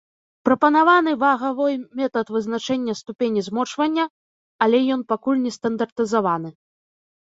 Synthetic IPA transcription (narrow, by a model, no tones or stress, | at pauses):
pɾɐpɐnavanɨvaɣavɔjmʲɛt̪ɐt̪vɨznat͡ʂɛnʲːɐst̪upʲenʲizmɔt͡ʂvɐnʲːɐ | alʲɛjɔnpakulʲnʲɛst̪ɐnd̪ɐrt̪ɨzavanɨ